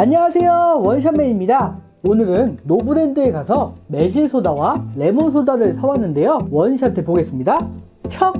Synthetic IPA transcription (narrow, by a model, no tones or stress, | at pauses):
aɲʌwasʰe̞jowʌnɕ̬ʰanmːeɲimɲida | onɯɾɯnːobuɾendɯekasʰʌme̞ɕ̬ʰisʰodawale̞moŋsʰodaɾɯɭsʰawanːɯnde̞jowʌnɕʰantʰepoɡe̞s͈ɯmɲida | t͡ɕʰʌ